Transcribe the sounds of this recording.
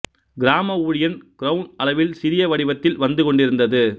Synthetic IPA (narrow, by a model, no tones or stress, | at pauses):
ɡɪɾaːmɐuːɻɪjɐnkɪɾɐʊnɐlɐʋɪlsɪɾɪjɐʋɐɽɪʋɐt̪ːɪlʋɐnd̪ɯkɔɳɖɪɾɯnd̪ɐðɯ